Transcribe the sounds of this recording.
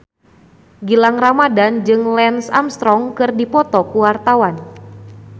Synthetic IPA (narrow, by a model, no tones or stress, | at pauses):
ɡilaŋramadand͡ʒɨŋlɛnsa̰mst̪ɾɔŋkɨrdipɔt̪ɔkuwart̪awan